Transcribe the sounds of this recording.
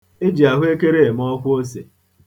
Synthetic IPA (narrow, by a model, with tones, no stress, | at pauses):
e˦d͡ʒi˨a˨ɦʊ˦e˦ke˦ɾe˦e˨m˦ɔ˦kʷʊ˦o˦s̬ḛ˨